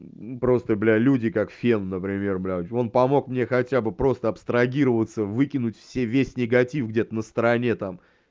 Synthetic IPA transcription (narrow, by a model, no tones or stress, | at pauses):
pɾo̞st̪əblʲalʲudʲɪkakfʲennəpɾʲɪmʲe̞rblʲao̞npɐmo̞kmnʲexɐtʲabɨpɾo̞st̪əɐpst̪ɾɐɡʲiɾəvət̪səvɨkʲɪnʊtʲfsʲevʲesʲnʲɪɡɐtʲifɡdʲe̞t̪ənəst̪əɾɐnʲe̞t̪am